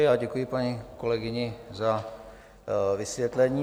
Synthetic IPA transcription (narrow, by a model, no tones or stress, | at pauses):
ɪaɟɛkujɪpaɲiko̞lɛɡɪɲɪza | vɪsvjɛt̪lɛɲiː